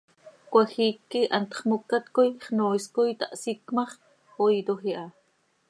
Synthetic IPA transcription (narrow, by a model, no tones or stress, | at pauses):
kʷaxiːkːiʔant̪χmukːat̪kojχnoːskojt̪aʔsikmɑχ | ojd̪oxiʔɑ